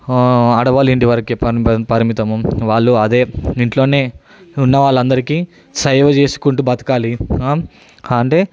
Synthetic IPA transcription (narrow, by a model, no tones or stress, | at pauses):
ɐɽɐʋaːliɳʈiʋɐɾɐkepɐpɐɾɐmit̪ɐmuʋaːɭːuɐd̪e̞ːiɳʈlo̞ːne̞ː | unːɐʋaːɭːɐnd̪ɐɾikiː | sɐjʋɐt͡ʃe̞ːsu̥kuɳʈubɐt̪ɐ̥kaːliaː | ɐɳʈeː